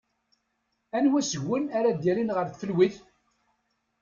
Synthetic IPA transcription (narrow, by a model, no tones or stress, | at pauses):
ænwæsəʝːənaɾad̪jæɾinʁəɾθfəlwiθ